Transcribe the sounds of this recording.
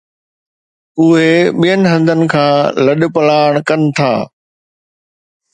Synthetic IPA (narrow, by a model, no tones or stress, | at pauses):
ʊɦeɓijənɪ̆ɦɐ̃nd̪ʱənɪ̆kʰãːlɐɗ̆pɐlaːɽ̃kɐnɪ̆t̪ʰa̰ː